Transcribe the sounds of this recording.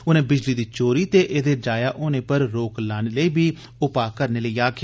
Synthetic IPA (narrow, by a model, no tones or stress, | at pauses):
ʊnẽːbɪd͡ʒliːd̪iːt͡ʃoːɾiːt̪eːʔeːd̪eːd͡ʒaːjaːʔoːnẽːpəɾɾoːklaːneːləiːbʱiː | ʊpaːkəɾneːləiːaːkʰː